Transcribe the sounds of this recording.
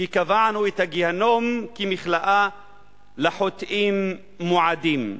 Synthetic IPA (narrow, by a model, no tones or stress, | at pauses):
ikavaʕnuet̪haɡihanomkimiχlaʔa | laħot̪ʔimː | oʕad̪im